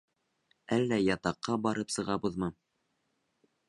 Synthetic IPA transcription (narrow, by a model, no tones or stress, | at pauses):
ælːæjɑt̪ɑqːɑbɑɾɤpsɤ̆ʁɑbɤðmɤ